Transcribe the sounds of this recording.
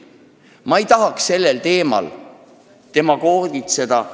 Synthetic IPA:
mɑejt̪ɑɦɑksse̞lːe̞lt̪e̞ːmɑ̰l | t̪e̞mɑko̞ːrd̪it̪se̞d̪̥ɑ

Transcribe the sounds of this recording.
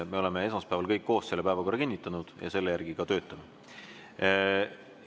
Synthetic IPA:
me̞o̞le̞me̞e̞smɑspæevɑlkɤjkːo̞ːsse̞lːepæevɑko̞rːɑkinʲːit̪ːˑɑnud̪̥jɑ̰se̞lːejærɡ̥iɡɑt̪ø̞ːt̪ːˑɑme

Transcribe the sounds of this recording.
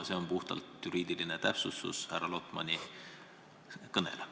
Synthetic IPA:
se̞o̞npuht̪ɑ̰lt̪juɾiːd̪̥ilinet̪æpsusːṵshærːɑlo̞t̪ˑmɑ̰nʲi | kɤnḛl

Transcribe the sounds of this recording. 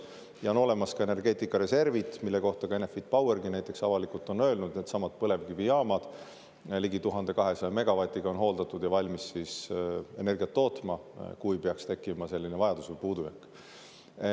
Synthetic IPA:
jɑono̞le̞mɑskɑene̞rɡ̥e̞ːt̪ːˑikːˑɑɾe̞se̞rvit̪ːˑmilːe̞ko̞ht̪ɑɡ̥ɑe̞nefid̪̥̚pɑwerɡinæjt̪ːˑe̞ksɑvɑlikult̪ːˑo̞nø̞ːlnud̪̥et̪sɑmɑt̪̚pɤle̞vkivijɑːmɑd̪̥ | liɡit̪uɦɑnd̪̥e̞kɑɦe̞sɑjɑme̞ɡ̥ɑvɑt̪ʲˑiɡ̥ɑo̞nɦo̞ːld̪ɑt̪ːˑud̪̥jɑvɑlʲmisːiːse̞ne̞rɡiɑt̪ːo̞ːt̪mɑkujpeɑkst̪e̞kːˑimɑse̞lːinevɑjɑd̪̥usvujpuːd̪ujɑkːˑ

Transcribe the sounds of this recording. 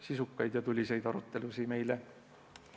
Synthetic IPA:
sisukːɑjd̪̥jɑt̪ulʲːise̞jd̪ɑɾut̪ːe̞lusime̞jle

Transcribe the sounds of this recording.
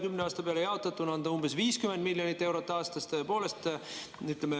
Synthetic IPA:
kymneɑːst̪ɑpeɑlejɑot̪ːˑɑt̪ːˑunɑnd̪ɑumbesviːskymend̪miljonit̪ːˑe̞wɾot̪ːˑɑːst̪ɑst̪øepo̞ːle̞st̪ | yt̪leme

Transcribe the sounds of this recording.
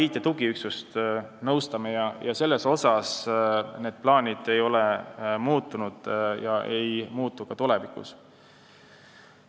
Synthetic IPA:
ijt̪ːˑet̪uɡ̥iyksust̪nɤwst̪ɑme̞jɑjɑse̞lːe̞so̞sɑsne̞ːd̪̥̚plɑːnʲid̪̥e̞jo̞lɛmuːt̪ːˑunud̪̥jɑʔe̞jmuːt̪ːˑukɑt̪ule̞vikṵs

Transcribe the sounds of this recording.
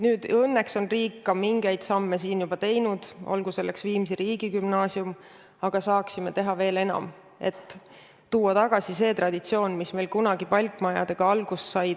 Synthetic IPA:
nyːd̪̥ɤnːe̞kso̞nriːkːɑmiŋɡ̥e̞jd̪̥sɑmːe̞siːnjub̥ɑt̪e̞jnud̪̥ʔo̰lɡuse̞lːe̞ksviːms̬iɾiːɡ̥ikymnɑːsium | ɑɡ̥ɑsɑːksime̞t̪e̞ɦɑve̞ːle̞nɑ̰m | e̞̰t̪ˑː | uːɑt̪ɑɡ̥ɑsise̞ːt̪rɑd̪̥it̪sio̞ːnmisme̞ːlkunɑɡ̥ipɑlʲk̪ːˑmɑjɑ̰d̪̥eɡ̥ɑɑlɡ̥usːɑjd

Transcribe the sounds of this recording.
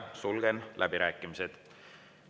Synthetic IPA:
sulɡ̥enlʔæb̥iɾæːkːˑimised̪̥

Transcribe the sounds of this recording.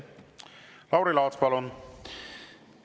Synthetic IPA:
lɑwɾilɑːt̪spɑlon

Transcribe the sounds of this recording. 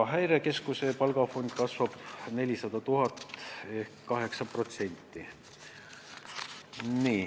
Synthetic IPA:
ɦæjɾe̞ke̞skuse̞pɑlɡ̥ɑfo̞nʲd̪̥̚kɑsvɑb̥ne̞lʲisɑd̪̥ɑt̪uɦɑt̪e̞hkːɑɦe̞ksɑpro̞t̪se̞nʲt̪ːˑi | niː

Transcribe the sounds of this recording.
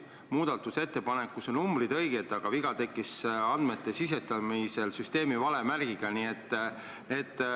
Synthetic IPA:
muːd̪̥ɑt̪ːˑuse̞t̪ːe̞pɑne̞kːusonnumbrid̪ɤ̞jɡ̥et̪ːˑɑɡ̥ɑviɡ̥ɑt̪e̞kˑːisɑnd̪̥me̞t̪ːe̞sis̬e̞st̪ɑmise̞lsyst̪e̞ːmivɑle̞mærɡ̥iɡ̥ɑniːe̞t̪ː | ne̞ːd̪̥

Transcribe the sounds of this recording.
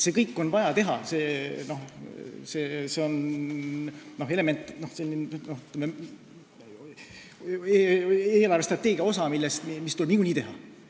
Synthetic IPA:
se̞ːkɤjkːo̞nvɑjɑt̪e̞ɦɑ̰se̞ːno̞hseːseo̞n | noɦe̞le̞me̞nt̪ˑːno̞hse̞lʲːinnohyt̪ːˑleme | eeːlɑrvest̪rɑt̪ːˑeːɡ̥iɑo̞sɑmilːest̪imist̪uleb̥nikunʲiːt̪e̞ɦɑ̰

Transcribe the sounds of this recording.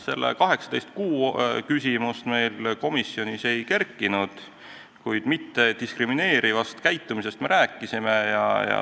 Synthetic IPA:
se̞lːḛkɑɦe̞ksɑt̪e̞jst̪̚kuːkysʲimust̪me̞jlko̞misːjo̞nise̞jke̞rkːˑinud̪̥ | kujd̪̥mit̪ːe̞d̪iskrimine̞ːɾivɑst̪kæjt̪ːumis̬e̞st̪me̞ɾæːkːˑisimejɑ̰jɑ̰

